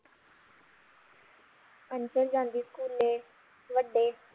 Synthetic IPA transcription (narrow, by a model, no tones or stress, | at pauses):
pənt͡ʃəɾd͡ʒãːnd̪iːskuːle | ʋəɖːeː